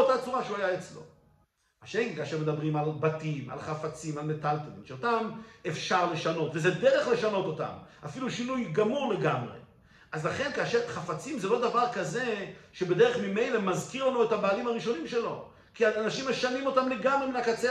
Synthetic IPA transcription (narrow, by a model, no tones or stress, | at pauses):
otat͡suʁaʃeuajaet͡slo̞̰ | aʃekikaːʃe̞ʁme̞d̪abʁimalbatima̰lχafat͡simalme̞talt̪omḭnʃeotamefʃaʁle̞ʃano̞tvezedeʁe̞χle̞ʃano̞t̪o̞ta̰mafiluʃinujɡamuʁle̞ɡamʁḛ | ʔazlaχe̞nkaːʃe̞ʁχafat͡simzelo̞d̪avaʁkaze̞ʃebe̞d̪e̞ʁeχmime̞jle̞mazkiʁlanue̞thabaːlimaʁiʃo̞nimʃe̞lo̞ | kiaːnaʃimːeʃanimo̞tamle̞ɡamʁeminakat͡se